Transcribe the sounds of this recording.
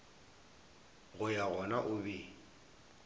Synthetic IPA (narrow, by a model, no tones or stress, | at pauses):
ɣʊjaɣɔnaʔʊbi